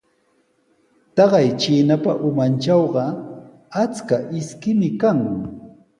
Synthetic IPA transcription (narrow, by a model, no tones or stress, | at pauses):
t̪ɑɢɑjt͡ʃiːnapaʔʊmant͡ʃɑwɢɑ | at͡skaʔɪskɪmɪkaŋʊ